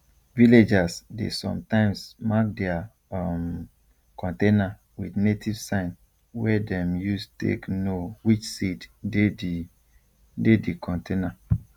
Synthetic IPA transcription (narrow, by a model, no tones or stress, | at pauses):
viled͡ʒasdḛsɔ̰̃mtãɪ̃msmak̚dɛa | m | kɔ̃ntena | widnetʰiv̥sãɪ̃n | wɛdɛ̃mjustḛknowit͡ʃsidded | dedikʰɔ̃ntena